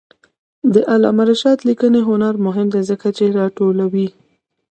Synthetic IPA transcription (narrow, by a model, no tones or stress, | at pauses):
d̪əʔalɑ̰maɾaʃɑt̪likəneɦʊnaɾmʊɦɪmd̪ezəkat͡ʃeɾɑʈolawi